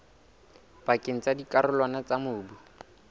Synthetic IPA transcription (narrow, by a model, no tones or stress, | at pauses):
pakʼeŋ̩t͡sadikʼaɾʊlwanat͡samʊːbu